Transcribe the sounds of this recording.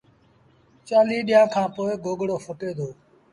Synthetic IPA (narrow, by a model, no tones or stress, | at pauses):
t͡ʃaːliːɗɪjãːkʰãːpoːɪɡoːɡɽoːfʰoʈeːd̪oː